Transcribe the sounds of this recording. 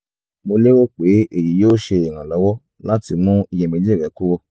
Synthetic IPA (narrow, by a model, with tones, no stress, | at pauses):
mo˧le˦wo˦˨k͡pe˨˦e˦˨ji˨˦joː˦ʃe˧i˨ɾ̃ã˨lɔ˨˦wɔ˦ | la˦ti˧mũ˦i˧jɛ̃˧mĩ˨˧˦d͡ʒi˦˨ɾɛ˨˦ku˦wɔ˧